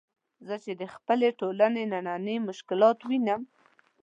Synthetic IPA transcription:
zət͡ʃed̪əxpəleʈolanenananəmʊʃkɪlɑt̪winəm

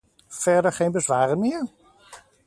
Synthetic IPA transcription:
fɛɹdəɹχeːnbəzʋaːɾənmɪər

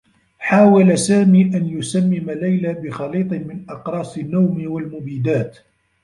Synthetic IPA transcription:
ħaːwalasaːmiːʔanjʊsamːɪmalajlabɪxɑliːt̪ˤɨmɪnʔɑqɾˤɑːsˤɪnːawmwalmʊbiːd̪aːt̪

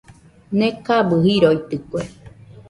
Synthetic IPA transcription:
nẽkabɨɦiɾoit̪ɨkʷe

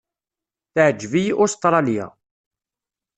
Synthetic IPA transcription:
θʕd͡ʒːvijʔʊst̪ɾˤɑlja̰

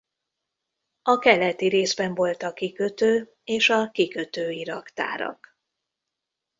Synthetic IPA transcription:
ɒkɛlɛt̪iɾeːzbɛɱvo̞lt̪ɒkikøt̪øː | eːʃɒkikø̞t̪øːiɾɒkt̪a̰ːɾɒ̰k

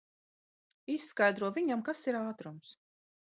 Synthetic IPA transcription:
isːkajd̪ɾuɔvʲiɲamkasiɾaːt̪ɾums

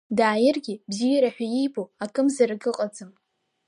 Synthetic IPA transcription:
daːjɪrɡʲibzijaɾaħʷᶣajijboakʰʼɨmzaraɡɨqʼad͡zɨm

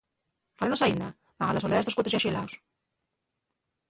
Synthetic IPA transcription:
falanosaind̪a | maɣalasoleaetokwt̪zjaʃilaws

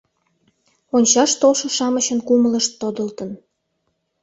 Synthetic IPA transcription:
onʲt͡ɕɑʃt̪olʃŏʃɑməɕənkumələʃt̪ːod̪əlt̪ə̆n

